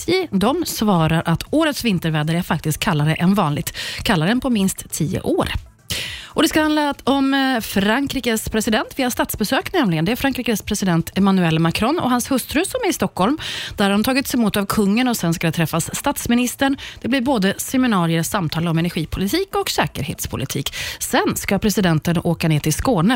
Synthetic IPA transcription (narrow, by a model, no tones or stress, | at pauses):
ɪd̪ɔmsvɑːɾaɾʔat̪ʰoːɾət̪svɪnt̪əɾvɛːd̪aɾəæɾfak̚t̪ɪst̪̚kʰːalːaɾəʔɛnvɑːnlɪɡ̚t̪kʰalːaɾənpʰɔmɪnst̪ʰːiːə̰ʔoːɾ | ʔɔd̪ɛskahand̪aɔmfɾaŋkɾiːkəspʰɾɛsɪd̪ɛnt̪viːast̪at̪sbɛsøːknɛmlɪɡənd̪ɛæɾfɾaŋkɾiːkəspʰɾɛsɪd̪ɛnt̪ʰɛmanʉɛlːmakʰɾɔnːɔ̰ɦanshɵst̪ɾɵsɔmæɾɪst̪ɔkʰːɔlmd̪̥æɾaɾʊmt̪ʰɑːɡɪt̪sɛmuːt̪avkʰɵŋːənɔsɛnskad̪ɛt̪ʰɾɛfːasːt̪at̪smɪnɪst̪əɳd̪̥ɛblɪɾboːd̪əsɛmɪnɑːɾɪəɾsamt̪ʰɑːlɔmɛnæɾɧiːpʰʊlɪt̪ʰiːkɔksɛːkəɾhḛːt̪spʰʊlɪt̪ʰḭːksɛnskapʰɾɛsɪd̪ɛnt̪ənoːkaneːt̪ʰɪlskoːnə